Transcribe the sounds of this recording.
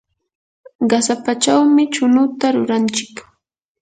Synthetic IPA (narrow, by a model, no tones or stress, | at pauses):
ɢɑsapat͡ʃawmɪt͡ʃʊnʊt̪aɾʊɾant͡ʃɪ̥k